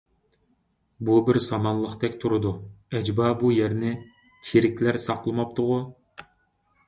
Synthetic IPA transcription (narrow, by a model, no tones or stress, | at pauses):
bubɪɾsɑmɑnlˠəqt̪ɛkʲt̪ʰuɾɨd̪uɛd͡ʒbɑbujɛɾnɪ | t͡ʃʰeɾɪkʲlæɾsɑqlˠɨmɑp̚t̪ʰʊʁʊ